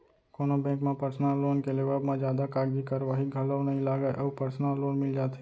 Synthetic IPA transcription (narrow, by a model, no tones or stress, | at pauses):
koːnobɛ̃ːŋkmẽpəɾsnalːoːnkeleːʋəbmẽd͡ʒjaːd̪akaːɡikəɾʋaːɦiɡʱɐləwnɐɦĩlaːɡəeʔɐːbpəɾsnaːlːoːnmɪld͡ʒaːt̪e̥